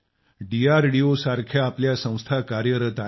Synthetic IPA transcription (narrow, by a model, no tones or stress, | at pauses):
ɖiaɾɖiosaɾkʰjaːpljasə̃w̃st̪ʰakaɾjəɾət̪a